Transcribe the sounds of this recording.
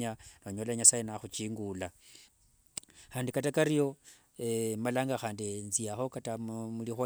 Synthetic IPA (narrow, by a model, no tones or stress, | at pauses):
anoɲolaɲasajenaxut͡ʃiːŋɡula | xaːndikatakaɾijo̞ | emalaːŋɡaxaːndinziaxo̞katamulixo